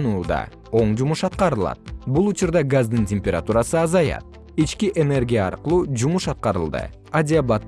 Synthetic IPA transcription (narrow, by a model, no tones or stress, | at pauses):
nuːd̪ɑ̰ | o̞ɴd͡ʒumuʃɑt̪̚qɑɾɯlˠɑ̰t̪̚bulˠut͡ʃuɾd̪ɑɡazd̪ɯntʲemʲpʲeɾat̪uɾɑsɯɑzɑjɑ̰t̪̚ | it͡ʃkiʔe̞ne̞rɡʲija̰ːɾqɯlˠuːd͡ʒumuʃɑt̪̚qɑɾɯlˠd̪ɯ̰ | adʲɪabat̪ː